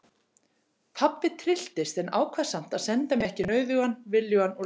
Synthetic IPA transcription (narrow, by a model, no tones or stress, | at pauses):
pʰapːɪt̪ʰɾɪl̥t̪ɪst̪ɛnaːwkʰvḁsam̥t̪aðsɛnt̪amɛɛhcɪnœːɥðʏuanvɪljʏanːɔ